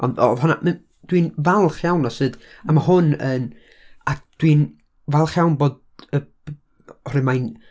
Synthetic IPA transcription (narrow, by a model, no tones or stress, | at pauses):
ɔndɔ̰ðhɔna̰m | d̥wiːnvalˠχjawnɔsɨːd | amahʊnən | ad̥win | valˠχjawnboːd | ə | ɔɾɨmajn